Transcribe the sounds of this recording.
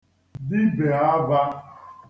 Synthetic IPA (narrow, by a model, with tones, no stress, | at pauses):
dɪ˦be˨a˦ba˦